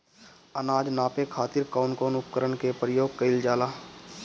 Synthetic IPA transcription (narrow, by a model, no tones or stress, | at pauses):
ənaːd͡ʒnaːpekʰaːt̪ɪɾkaːnkoːnʊp̚kəɾəɳkepɾəjoːɡ̚kəɪld͡ʒaːlaː